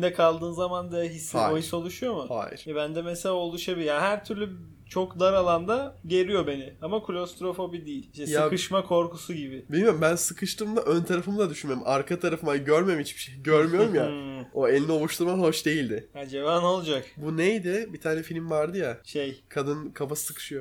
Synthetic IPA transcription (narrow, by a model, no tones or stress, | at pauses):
d̪ɛkʰalˠd̪ɯːnzamand̪aɦisːia̰ːoijiɾso̞lˠuʃujo̞mʊha̰ːjḭɾ̥jabænd̪ɛmeselʲaolˠuʃabijaɦæɾt̪ʰyɾlʲy | t͡ʃʰokd̪aɾalˠand̪aɟe̞ɾijo̞be̞nɪamakʰulʲo̞st̪ɾo̞fo̞bid̪ijilʲiʃt̪ɛjsakɯʃmakʰo̞ɾkusuɟibɪbilʲmijoumbænsɯkʰɯʃt̪ʰɯːmlˠaʔønt̪ʰaɾafɯmd̪ˠad̪yʃynmeɾumʔaɾkʰat̪ʰaɾafɯmaɟøɾmemit͡ʃʰbi̥ʃejɟøɾmyjo̞ɾumjao̞elʲinio̞lˠuʃt̪ʰuɾmaɦo̞ʃd̪e̞jilʲd̪ɪad͡ʒebano̞lˠd͡ʒakbunejd̪ɪbit̪ʰaːnɛfilʲmvaɾd̪ɯjaʃejkʰad̪ɯnkʰapasɯ̥sɯkʰɯ̥ʃɯjo